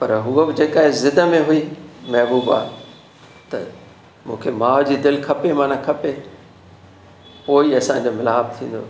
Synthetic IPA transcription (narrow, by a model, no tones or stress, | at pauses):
pɐɾɦuəbɪd͡ʑeːkaːɦɪzɪd̪əmẽɦʊimɛɦbuːba̰ː | t̪ɐ̰ | mũːkʰemaːɦd͡ʑiːd̪ɪlkʰɐpemaːnãkʰɐpe | poːiɐsãɲd͡ʑoːmɪlaːb̚t̪ʰḭ̃ːnd̪o̰ː